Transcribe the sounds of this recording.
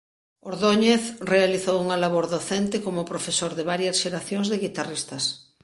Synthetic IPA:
oɾðoɲeθrealiθowuŋalaβoɾðoθent̪ɪkomopɾofesoɾðeβaɾjɐsʃeɾaθjõŋzðeɣit̪arist̪ɐs

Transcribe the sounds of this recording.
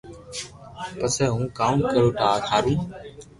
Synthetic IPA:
pəsɛːɦũːkaːmkəɾoːʈaːkʰaːɾĩː

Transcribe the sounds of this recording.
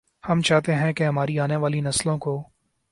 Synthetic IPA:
hɐmt͡ʃaːɦt̪eɦɛ̃keɦɐm̤aːɾiaːneʋaːlinɐslõkoː

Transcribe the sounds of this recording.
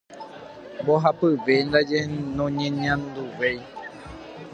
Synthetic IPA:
mboɦapɨʋend̪ad͡ʒenõɲẽɲãnd̪uʋej

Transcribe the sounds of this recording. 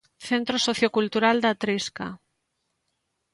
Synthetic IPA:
θent̪ɾosoθjokult̪uɾald̪at̪ɾiska̰

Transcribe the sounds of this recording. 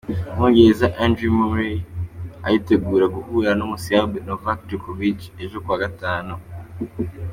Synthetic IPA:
moɡezaʔandɾimoɾi | a̰jite̞ɡuːɾeɡuhuːɾanomusiabenovaktikovit͡ʃe̞ʒo̞kuwaːɡataːno

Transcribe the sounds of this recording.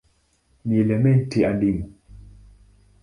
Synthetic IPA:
niɛlɛmɛntiaɗimu

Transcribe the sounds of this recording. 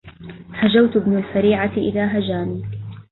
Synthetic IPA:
had͡ʒawt̪bnalfaɾiːʕaʔɪ̰ðaːɦad͡ʒaːniː

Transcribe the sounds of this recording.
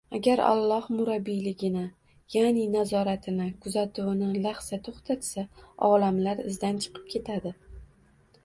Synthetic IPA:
aɡʲaɾa̰lˠːɒhmʊɾabːijlɪɡʲɪnɪ | janɪnazɒɾat̪ʰɪnɪkʰʊzat̪ʰunɪlaχsat̪ʰoχt̪ʰat̪saɒlamlaɾɪ̰zd̪ant͡ʃʰɨ̥qʰɨ̥p̚kʲʰe̞t̪ʰad̪ɪ

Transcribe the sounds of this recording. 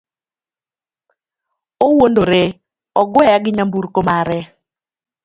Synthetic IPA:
owondoɾe | ɔɡwɛjaɡɪɲambuɾkomaɾɛ

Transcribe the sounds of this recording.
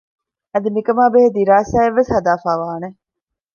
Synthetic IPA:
ɐd̪imikɐmaːbeɦed̪iɾaːsaːeʋːeshɐd̪aːfaːʋaːne

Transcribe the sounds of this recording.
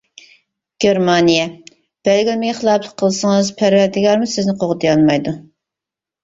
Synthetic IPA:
ɡ̥ʲeɾmɑnijɛ | b̥ælɡʲilmeɡʲɛχəlˠɑpʰlˠə̥qʰːəlˠɨsəŋɨzpʰæɾwæɾd̪ɪɡɑɾmusɪznɪqʰoʁət̪ʰjɑlˠmɑjd̪u

